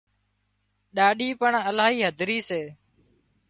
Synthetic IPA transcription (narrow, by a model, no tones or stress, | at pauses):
ɗaːɗiːpəɳəlaːɦiːɦəd̪ʱɾiːseː